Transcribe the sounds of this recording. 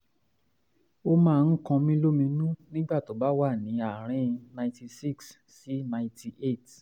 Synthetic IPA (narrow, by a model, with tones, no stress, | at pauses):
o˦˧mãː˦˧n̩˦kã˧mĩ˦lo˦mĩ˧nũ˦nĩ˦ɡ͡ba˦˨to˨˦ba˦wa˦˨nĩ˨˦a˨ɾ̃ĩ˧nã˧ĩ˧ti˧si˦˨ks | si˨˦nã˧ɪ̃˧ti˧ʔe˦˨t